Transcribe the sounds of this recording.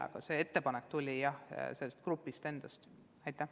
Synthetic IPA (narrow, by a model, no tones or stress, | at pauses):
ɑ̰ɡ̥ɑse̞e̞t̪ːe̞pɑnekːt̪ulʲijɑhselːest̪̚krupːˑist̪e̞nd̪̥ɑst̪ | ɑjt̪ːˑæh